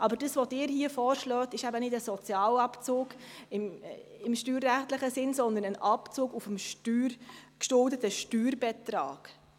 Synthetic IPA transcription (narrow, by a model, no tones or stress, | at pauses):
ʔɑbəɾdəsʋɔdɪːɾhiəfɔːɾʃlœːtɪʃæbənɪdəsɔt͡sjɑːlɑpt͡soːɡɪmɪmʃtyːɾːæχtlɪχəsɪnsɔnd̪ənənʔɑpt͡suːɡufəm̩ʃtyːrkʃtʊldətəʃtyːɾbɛtɾɑ̰ːɡ̥